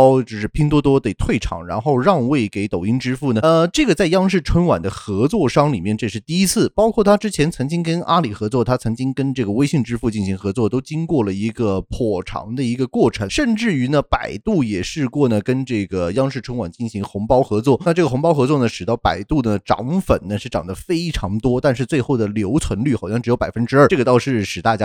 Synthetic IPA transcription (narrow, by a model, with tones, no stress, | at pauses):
ʊt͡ɕjo˥˧ʊʂɻ̩˥˩pʰi˥ŋt̪wɔ˥t̪̬wɔ˥t̪e˨˩ɪt̪ʰwe˥˩ɪʈ͡ʂʰɑ̰˨˩ŋɻa̰˧˥nxo˥˧ʊɻɑ˥˧ŋwe˥˩ɪke˧˥ɪt̪o˨˩ʊi˥ŋʈ͡ʂɻ̩˥fu˥˩nə˩˧ʈ͡ʂɤ˥˩ɡə˩t͡sa˥˩ɪjɑ˥ŋʂɻ̩˥˩ʈ͡ʂʰwə˥nwa̰˨˩nd̪ə˦xɤ˧˥t͡swɔ˥˧ʂɑ˥˧ŋli˨˩mjɛ˥˧nʈ͡ʂɤ˥˧ʂɻ̩˥˧t̪i˥˧i˥t͡sʰɹ̩˥˩pɑ˥ʊkʰwɔ˥˩t̪ʰa˥ʈ͡ʂɻ̩˥t͡ɕʰjɛ˧˥nt͡sʰɤ˧˥ŋt͡ɕi˥ŋkə˥nʔa˥li˨˩xɤ˧˥t͡swɔ˥˩t̪ʰa˥t͡sʰɤ˧˥ŋt͡ɕi˥ŋkə˥nʈ͡ʂɤ˥˩ɡə˩we˥ɪɕi˥˩ŋʈ͡ʂɻ̩˥fu˥˧t͡ɕi˥˩nɕi˧˥ŋxɤ˧˥t͡swɔ˥˩t̪o˥ʊt͡ɕi˥ŋkwɔ˥˩lə˩i˧˥ɡə˧pʰɔ˨˩ʈ͡ʂʰɑ̰˧˥ŋd̪ə˧i˧˥ɡə˧kwɔ˥˩ʈ͡ʂʰɤ˧˥ʂə˥˧nʈ͡ʂɻ̩˥˩y˧˥nə˧pa˨˩ɪt̪u˥˩jɛ˨˩ʂɻ̩˥˧kwɔ˥˩nə˩kə˥nʈ͡ʂɤ˥˩ɡə˩jɑ˥ŋʂɻ̩˥˩ʈ͡ʂʰə˧˥ŋwa˨˩nt͡ɕi˥˩nɕi˧˥ŋxʊ˧˥ŋpɑ˥ʊxɤ˧˥t͡swɔ˥˩na˥˧ʈ͡ʂɤ˥˩ɡə˩xʊ˧˥ŋpɑ˥ʊxɤ˧˥t͡swɔ˥˩nə˩ʂɻ̩˨˩ɑ˥˩pa˨˩ɪt̪u˥˩nə˩ʈ͡ʂɑ̰˧˥ŋfə̰˨˩nnə˦ʂɻ̩˥˩ʈ͡ʂɑ˨˩ŋd̪ə˦fe˥ɪʈ͡ʂʰɑ˧˥ŋt̪wɔ˥t̪a˥˧nʂɻ̩˥˧t͡swe˥˧ɪxo˥˩ʊd̪ə˩ljo˧˥ʊt͡sʰwə˧˥nly˥˩xɑ˨˩ʊɕjɑ˥˩ŋʈ͡ʂɻ̩˧˥jo˧˥pa˨˩ɪfə˥nʈ͡ʂɻ̩˥ɐ˞˥˩˧ʈ͡ʂɤ˥˩ɡə˩t̪ɑ˥˧ʊʂɻ̩˥˩ʂɻ̩˨˩t̪a˥˩t͡ɕja˥